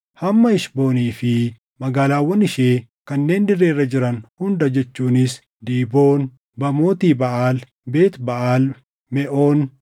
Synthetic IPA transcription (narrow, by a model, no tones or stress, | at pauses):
hɐmːɐɪʃbo̞ːniːfɪ | mɐɡaːlaːwːɔnːɪʃeːkɐnːe̞ːnd̪ɪrːeːrːɐd͡ʒɪɾɐnhʊnd̪ɐd͡ʒɛt͡ʃːuːnɪs | d̪iːboːn | bɐmo̞ːt̪iːbɐʔaːl | be̞ːt̪bɐʔaːl | mɛʔoːn